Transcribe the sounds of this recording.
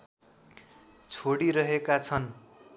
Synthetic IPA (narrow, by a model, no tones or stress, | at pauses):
t͡sʰoɽiɾʌɦekat͡sʰʌn